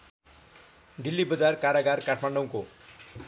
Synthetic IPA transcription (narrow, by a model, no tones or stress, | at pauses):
ɖilːibʌd͡zarkaɾaɡarkaʈʰmaɳɖʌw̃ko